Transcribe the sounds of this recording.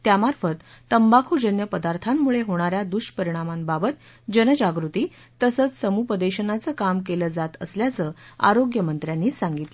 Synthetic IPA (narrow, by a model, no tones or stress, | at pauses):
t̪jamaɾfət̪ːəmbakʰuːd͡ʑənjəpəd̪aɾt̪ʰamːuɭeɦoɽ̃aɾjad̪uɕpəɾiɽ̃amambabət̪̚ | d͡ʑənəd͡ʑaɡɾut̪iː | t̪əsət͡ssəmupəd̪eɕənat͡səːkamkeləːd͡zat̪əsljat͡səːa̰ɾoɡjəmənt̪ɾjanːiːsaŋɡit̪l